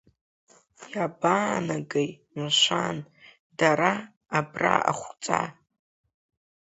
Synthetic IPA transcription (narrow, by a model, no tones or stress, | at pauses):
jabaːnaɡej | maʃʷan | daɾaː | bra̰ʔa̰χʷt͡sʼa̰